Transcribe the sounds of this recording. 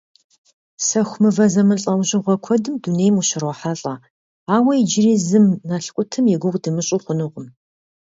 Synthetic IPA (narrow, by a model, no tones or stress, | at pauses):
sɐxʷʊmɨvɐzɐmɨɬʼɐwʑɪʁʷɔkʷʰɔdɨmdunejmuɕɪrwɔħaɬʼɐ | aːwɐjid͡ʒɪriːzɨmnɐɬkʷʼʊtʰɨmjɛɡʷʊʁʷʼdɨmɨɕʼʊχʷʊnɨʁʷʊm